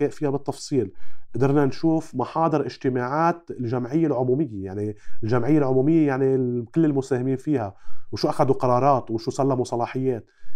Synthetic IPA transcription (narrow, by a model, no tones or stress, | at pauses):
eːʔfiːhabɨt̪ˤːɑfsˤiːlʔd̪ɑɾˤnanʃuːfmɑħɑːd̪ˤɨɾʔɪʒt̪ɪmaːʕaːt̪ɪlʒamʕɪjːalʕʊmuːmɪjːejaʕnilʒamʕɪjːalʕʊmuːmɪjːejaʕnikɪlːɪlmʊseːhɪmiːnfiːhawʃuːʔaxad̪uqɑɾˤɑːɾˤɑːt̪wʃuːsalːamusˤɑlɑːħɪjːeːt̪̚